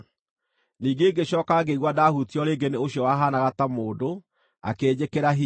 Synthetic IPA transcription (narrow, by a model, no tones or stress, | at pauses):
niːŋɡeːɡeɕɔːkaɡeiɣwadahutiɔɾeːɡeneoɕjɔwaɦanaɣatamoːdo | a̰keːd͡ʑekeɾaɦi